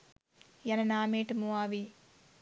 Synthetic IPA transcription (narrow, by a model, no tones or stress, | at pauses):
jɐnɐnaːmeːʈɨmuaːʋi